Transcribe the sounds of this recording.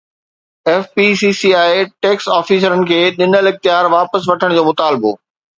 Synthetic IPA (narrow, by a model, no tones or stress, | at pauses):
ɛːfpisiːsiaːeʈeːksaːfiːs̬əɾənɪ̆kʰeːɗɪnəlɪxt̪ɪjaːɾʋaːpəsʋɐʈʰəɽ̃d͡ʑoːmʊt̪aːlbo̰ː